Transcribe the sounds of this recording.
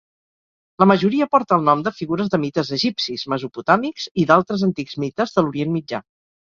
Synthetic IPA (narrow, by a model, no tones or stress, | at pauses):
ləməʒuɾiəpɔɾt̪əːlˠnɔmd̪əfiɣuɾəzðəmit̪əzəʒipsizməzuput̪amikziðalˠt̪ɾəzənt̪ikzmit̪əzðəluɾienmid͡ʒa̰